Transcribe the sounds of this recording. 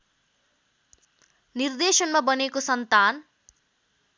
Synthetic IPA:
nird̪esʌnmabʌnekosʌnt̪an

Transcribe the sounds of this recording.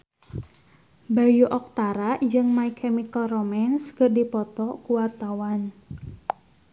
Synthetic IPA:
bajuʔɔk̚t̪aɾaʔd͡ʒɨŋmaikʰɛmikəlromanskərdipɔt̪ɔkuwart̪awan

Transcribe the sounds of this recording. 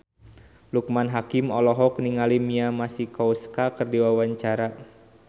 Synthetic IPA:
lukmanɦakimɔlɔɦɔk̚niŋalimiamasikɔuskakɨrdiwawaɲt͡ʃaɾa

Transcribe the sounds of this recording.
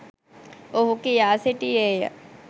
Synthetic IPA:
oɦukijaːseʈieja̰

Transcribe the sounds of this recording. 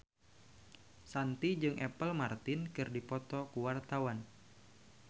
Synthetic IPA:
sant̪id͡ʒɨŋʔɛpəlmart̪ɪnkɨrdipɔt̪ɔkuwart̪awan

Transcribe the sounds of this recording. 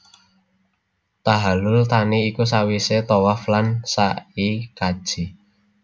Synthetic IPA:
t̪aɦalʊlt̪aniːkus̬awiset̪owaflansaikḁʒ̥i

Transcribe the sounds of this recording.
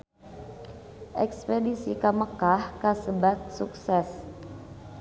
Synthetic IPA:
ʔɛkspedisḭkaməkahkasəbat̪̚suksɛs

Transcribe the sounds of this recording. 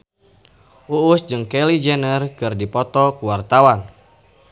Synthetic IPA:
uusd͡ʒɨŋkɛlid͡ʒɛnərkɨrdipɔt̪ɔkuwart̪awan

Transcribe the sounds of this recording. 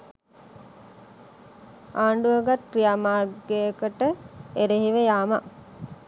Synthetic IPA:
aːɳɖuəɡat̪rijamaːrɡejəkəʈəeɾeɦiʋəjaːma

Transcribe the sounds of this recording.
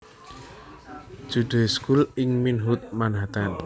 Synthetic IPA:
d̥ʒ̥uɖ̪̥e̤skulɪŋminɦut̪̚manɦat̪an

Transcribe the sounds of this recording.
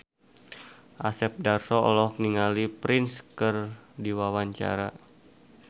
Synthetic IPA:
ʔasɛp̚darsɔɔ̰lɔhkniŋalipɾɪnskərdiwawaɲt͡ʃa̰ɾa

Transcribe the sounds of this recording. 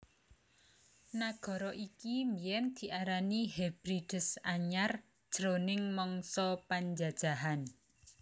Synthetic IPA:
naɡ̥ɔ̤ɾɔʔikimbijɛnd̪̥i̤ʔaɾaniɦɛb̥ɾid̥ə̤saɲar | d̥ʒ̥ɾonɪŋmɔŋsɔpaɲd͡ʒad̥ʒ̥a̤ɦan

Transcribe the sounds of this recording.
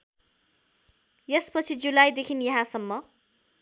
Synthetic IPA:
jespʌt͡sʰid͡zulajd̪ekʰinjʌɦãsʌmːʌ

